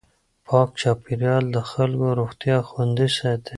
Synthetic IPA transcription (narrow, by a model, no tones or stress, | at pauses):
pʰɑːk̚t͡ʃɑpiɾjɑld̪əxalkoɾoxt̪jɑxwand̪isat̪e